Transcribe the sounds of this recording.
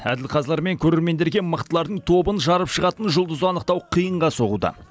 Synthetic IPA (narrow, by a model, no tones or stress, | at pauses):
æ̰d̪ɪlqʰɑzlˠɑɾme̞ŋkʲʰɵɾe̞ɾme̞nd̪e̞ɾɡʲe̞məqt̪əlˠɑɾd̪əɴt̪ʰo̞bənʒɑɾəpʃəʁɑt̪ənʒʊlˠd̪əzəɑnəq̚t̪ɑwqʰijəɴʁɑso̞ʁṵd̪ə̰